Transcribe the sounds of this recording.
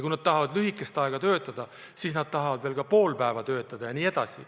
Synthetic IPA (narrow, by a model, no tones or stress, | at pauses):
kujnɑd̪̥̚t̪ɑɦɑvɑd̪lyɦikːˑe̞st̪ɑeɡ̥ɑt̪ø̞ːt̪ːˑɑd̪̥ɑ | siːsnɑd̪̥̚t̪ɑɦɑvɑd̪veːlkɑpo̞ːlpæevɑt̪ø̞ːt̪ːˑɑd̪̥ɑjɑniːe̞d̪̥ɑ̰sḭ